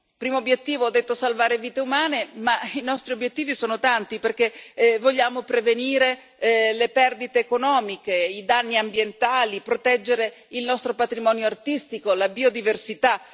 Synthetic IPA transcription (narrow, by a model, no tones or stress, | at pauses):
pɾiːmoːbːjet̪ːiːvoɔd̪ːet̪ːosalvaːɾeviːt̪eumaːnemainɔst̪ɾiobːjet̪ːiːvisoːnot̪ant̪iperk̟evoʎːaːmopɾeveniːɾe | lepɛrd̪it̪eːkonɔːmikeid̪anːiambjent̪aːlipɾot̪ɛd͡ʒːeɾe | ilnɔst̪ɾopat̪ɾimɔːnjoart̪ist̪ikolabiːod̪iversit̪a